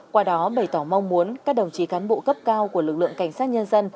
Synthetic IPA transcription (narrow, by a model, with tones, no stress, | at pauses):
kwaː˧ɗɔ˨˦ɓə˧˩jt̪ɔ˧˩ma˧wŋ͡mmu˨˦ənkaː˦˥k̚ɗə˨˩wŋ͡mt͡ɕi˨˩˦kaː˨˦nɓo̰˧˨kə˦˥p̚kaː˧wku˧˩əlɨ˨˩k̚lɨ̰˧˨əŋka˧˩jŋ̟saː˦˥t̚ɲə˧nzə˧n